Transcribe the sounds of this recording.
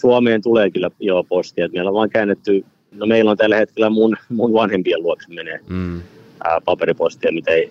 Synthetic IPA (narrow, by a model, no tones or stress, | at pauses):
suɑmeːnt̪uleːkylːæjopost̪iɑt̪mieilːoʋɑːŋkæːnːet̪ːy | nomeilont̪ælːæhet̪kelːˑæmunmunʋɑnhempieluoksemeneː | pɑperipost̪iɑmit̪æei